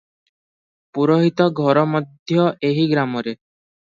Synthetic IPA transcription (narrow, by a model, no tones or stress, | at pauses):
puɾoɦit̪ɔɡʱɔɾɔmɔd̪ʱjɔeɦiɡɾamɔɾe